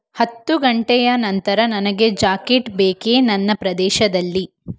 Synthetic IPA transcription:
hɐt̪ːuɡɐɳʈɛjɐnɐnt̪ɐɾɐnɐnɐɡe̞d͡ʒaːkeʈbeːkeːnɐnːɐpɾɐd̪ɛːʃɐd̪ɐlːi

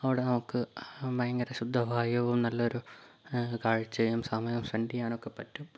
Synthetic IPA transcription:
ɐʋiɽenɐmukːɨmɐjɐŋɡɐɾɐɕud̪ʱːɐbʱaːjɐʋumnɐlːɐo̞ɾu | kaːɻt͡ɕːɨjɐmsɐmɐjɐmsʋɐɳɖijaːno̞kːe̞pɐtːum

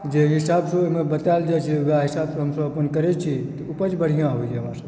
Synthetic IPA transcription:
d͡ʒeɦɪsaːbsomẽbət̪aeld͡ʒat͡ʃʰiʋaɦɪsaːbsɦɐmsəɐpənkəɾet͡ʃʰit̪ɔupət͡ʃbəɽ̤ijãɦoid͡ʒeɦəmãːɾsə̃

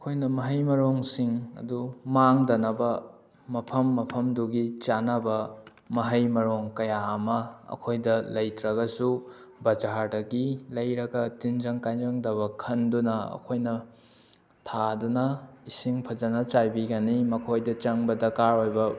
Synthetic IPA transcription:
ɐkʰojnɐmɐɦɐjmɐɾoŋsiŋɐ̰dumaŋdɐnɐbɐ | mɐpʰɐmːɐpʰɐmduɡit͡ʃanɐbɐ | mɐɦɐjmɐɾoŋkɐjaɐmɐɐ̰kʰojdɐlɐjtɾɐɡɐsu | bɐd͡ʒaɾdɐɡilɐjɾɐɡɐtind͡ʒɐŋkajzɐŋdɐβɐkʰɐndunɐɐ̰kʰojnɐ | tʰadunɐisiŋpʰɐd͡ʒɐnɐt͡ʃajbiɡɐnimɐkʰojdɐt͡ʃɐŋbɐdɐkaɾojbɐ

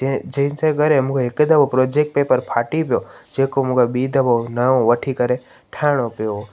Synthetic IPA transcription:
d͡ʒeĩnsaɡəɾemũkʰeeked̪əbopɾoːd͡ʒek̚ʈ̚peːpəɾpʰaːʈipjod͡ʒeːkomukeɓiːd̪ʱəbonaõʋəʈʰikəɾe | ʈʰaːɽ̃opjo

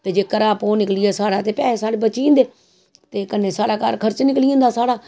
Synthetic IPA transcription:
t̪eːd͡ʒeːkəɾaːpoːnɪklijɛːsaːɽaːt̪eːpɛːesaːɽeːbət͡ʃĩːnd̪eː | t̪eːkənːeːsaːɽaːka̰ːɾkʰəɾt͡ʃnɪkliːõːnd̪aːsaːɽaː

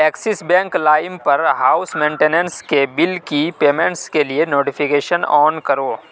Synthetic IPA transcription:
ɛːksɪsbɛ̃ːŋklaːɪmpɐɾɦaːʊsmẽːɳʈeːnə̃nskebɪlkipeːmẽɳʈskelienoːʈɪfʰɪkeːʃənɔːnkɐɾoː

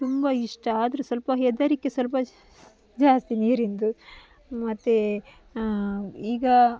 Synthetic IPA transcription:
t̪umbɐiʂʈɐaːd̪ɐɾesɐlpɐɦed̪ɐɾikːesɐlpɐ | d͡ʒaːst̪iniːɾind̪u | mɐt̪ːe | iːɡɐ

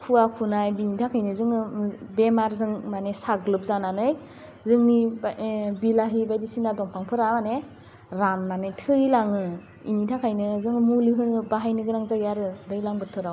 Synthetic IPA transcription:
kʰuakʰunajbinitʰakʰajnɯzɯŋɯbemaɾzɯŋmanesaɡlɯp̚zananɯj | zɯŋnibbilaɦibajdisinadɔŋpʰaŋpʰɯɾamane | ɾanːanɯjtʰɯilaŋɯ | ḭnitʰakʰajnɯzɯŋɯmuliɦɯnɯbaɦajnɯɡɯɾaŋzaɡjaɾɯdɯjlaŋbɯtʰɯɾaw

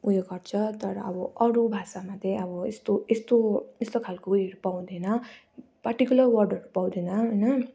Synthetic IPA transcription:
ujeɡʌrt͡sʰʌt̪ʌɾʌːbʌʔʌɾubʱasamat̪eʌbʌest̪oest̪oest̪okʰalkouiʌɾupaw̃d̪enʌ | pʌrʈikʲjulʌrwʌrɖʌɾupaw̃d̪enʌɦojnʌ

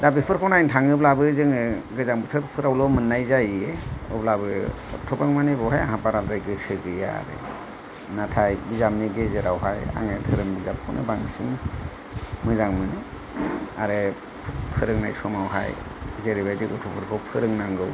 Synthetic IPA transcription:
dabipʰɯɾkʰɔwnajntʰaŋɯblabɯzɯŋɯɡɯzaŋbɯtʰɯɾpʰɯɾawlɔmɯnːajzajeɯ̰blabɯ | ɔ̰tʰɔbaŋmanebɔwɦaja̰ɦapaɾalzajɡɯsɯɡɯja̰ɾḛ | natʰajbizamniɡezeɾawɦaja̰ŋetʰɯɾɯmbizap̚kʰɔwnʔɯ̰baŋsiŋ | mɯzaŋmɯnɯ | a̰ɾe | pʰɯɾɯŋnajsɔmawɦa̰j | zeɾibajdikɔtʰɔpʰɯɾkʰɔwpʰɯɾɯŋnaŋɡɯw

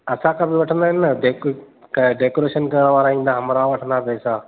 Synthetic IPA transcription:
ɐsãkʰãbɪʋɐʈʰə̃nd̪aːɦɪnːɐɖeːk | kɖeːkoːɾeːʃənkɐɾəɽ̃ʋaːɾaĩːn̆d̪aɦɐmɾaʋɐʈʰə̃nd̪apɛːsaː

